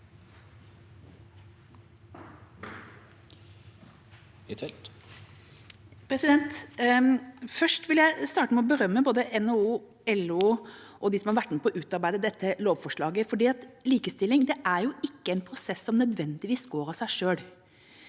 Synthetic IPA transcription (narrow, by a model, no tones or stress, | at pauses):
ɪt̪ʰɛlt̪ | pʰɾɛsɪd̪ɛnt̪ | fœʂʈʋɪljæɪst̪ɑːʈəmɛɔbəɾœmːəboːd̪əʔɛnɛuː | ɛluː | ʔɔd̪ɪsɔmæɾʋæʈnəpʰɔʔʉːt̪ɑɾbæɪd̪əd̪ɛt̪ʰːəloːʋfɔʂɭɑːɡəfɔɖiːɑt̪liːkəst̪ɪlːɪŋd̪ɛʔæɾjʊɪkːəɛɪnpʰɾʊsɛsːɔmnœd̪ʋɛnd̪ɪʋiːsɡoːɾɑsæɪʂøːɽ